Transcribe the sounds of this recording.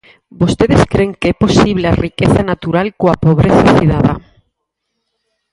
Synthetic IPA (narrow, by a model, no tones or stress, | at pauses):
bost̪eðeskɾeŋkeɛposiβ̞learikeθanat̪uɾalkoapoβɾeθaθiðaða